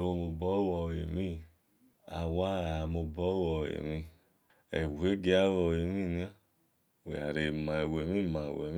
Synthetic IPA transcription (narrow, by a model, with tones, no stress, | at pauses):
wo˧˨mo˨bɔ˦wɔ˨jḛ˨mi˦ | a̰˨wa˦a˨mo˨bɔ˦wɔ˨ḛ˨mi˧ | ḛ˨wʷe˦ɡe˧˦a˦wɔ˧˨e˨mi˦˨na˦ | wḛ˨a̰˨ɾe˨ma˨e˨we˨mi˦ma˨wḛ˨˦